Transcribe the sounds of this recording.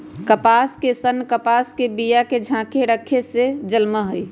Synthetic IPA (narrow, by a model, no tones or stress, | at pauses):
kəpaːskesənkəpaːskebijaked͡ʒʱãːkʰeɾəkʰesed͡ʒəlməɦʊi